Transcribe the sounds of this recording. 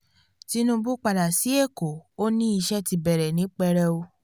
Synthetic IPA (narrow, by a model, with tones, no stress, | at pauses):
ti˨˦nũ˧bu˦k͡pa˧da˨si˨˦e˦˨ko˨o˦nĩ˦i˧ʃɛ˦ti˧bɛ˨ɾɛ˨nĩ˨˦k͡pɛ˧ɾɛ˧o˧